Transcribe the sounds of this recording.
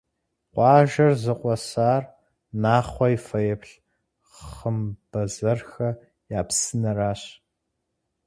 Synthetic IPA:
qʷʼɑːʒɐrzɨqʷʼɔsaːr | naːχʷɔifɐjɛpɬ | χəmb̥ɐzɐrxɐ | jaːpsɨnɐraːɕ

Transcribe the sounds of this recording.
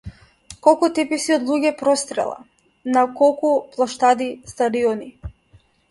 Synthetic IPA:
kɔlˠkut̪ɛpisiɔd̪lˠuɟɛpɾɔst̪ɾɛ̰lˠa̰ | nakɔlˠkuplˠaʃt̪ad̪ist̪ad̪iɔni

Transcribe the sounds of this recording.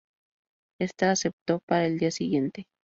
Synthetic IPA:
est̪aːsep̚t̪opaɾaeld̪iasiɣjent̪e

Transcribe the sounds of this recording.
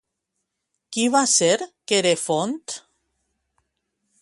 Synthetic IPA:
kiβaseɾkeɾefont̪

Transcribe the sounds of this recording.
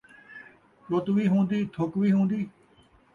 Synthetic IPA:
ɗot̪ʋiːɦõːnd̪iːt̪ʰokʋiːɦõːnd̪iː

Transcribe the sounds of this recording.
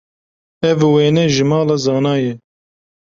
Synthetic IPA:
ɛvweːnɛʒɨmɑːlɑːzɑːnɑːjɛ

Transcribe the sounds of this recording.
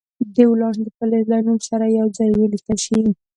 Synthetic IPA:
d̪ewlɑɳd̪əpəlalanumsaɾajawd͡zɑjwəlit̪aʃi

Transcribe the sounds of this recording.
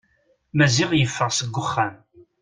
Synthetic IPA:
mæzɪʁjəfːəʁsəɡʷːʊχːæm

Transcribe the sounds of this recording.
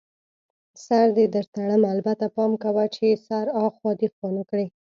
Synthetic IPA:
saɾd̪ed̪əɾt̪aɽəmalbat̪apɑmkawat͡ʃesaɾɑxwɑd̪ixwɑnəkɽe

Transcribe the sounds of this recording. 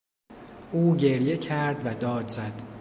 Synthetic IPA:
ʔuːɟe̞ɾje̞cʰæɾd̪væd̪ɒːd̪zæd̪̥

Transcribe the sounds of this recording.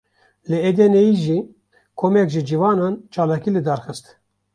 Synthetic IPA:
lɨed̪enejiʒiː | kʰomɛkʒɪd͡ʒivɑːnɑːnt͡ʃʰɑːlɑːkiːlɨd̪ɑːɾxɨst̪

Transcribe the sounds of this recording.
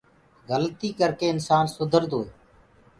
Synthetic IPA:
ɣəlt̪iːkəɾkeːɪnsaːnsʊd̪ʱəɾd̪oːeː

